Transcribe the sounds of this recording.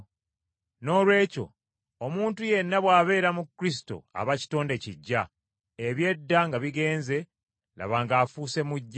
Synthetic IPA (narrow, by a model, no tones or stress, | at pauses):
no̞ːlwe̞ːco̞̰ | omuːntuje̞nːaβwaːβe̞ːɾamukːɾis̬i̥to̰a̰βaci̥to̞ːnde̞ciɟːa | eβje̞dːaŋɡaβiɡe̞ːnze̞ | la̰βaŋɡaːfuːse̞muɟː